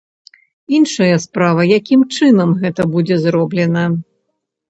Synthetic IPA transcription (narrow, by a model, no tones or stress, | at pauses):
inʂɐjɐspɾavɐjakʲimt͡ʂɨnɐmɣɛt̪ɐbud͡zʲɛzrɔblʲɛnɐ